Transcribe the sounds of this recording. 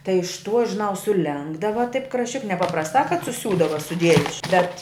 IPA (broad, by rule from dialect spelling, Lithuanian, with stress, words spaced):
tɐɪ ɪʃ tuɔ ʒʲɪˈnɐʊ sʊˈlʲɛŋɡdɐʋɐ tɐɪp krɐʃʲˈt͡ʃʲɪk nʲɛpɐprɐsˈtɑː kɐt sʊˈsʲuːdɐʋɐ sʊˈdʲiɛjʊs ʃ ˈbʲɛt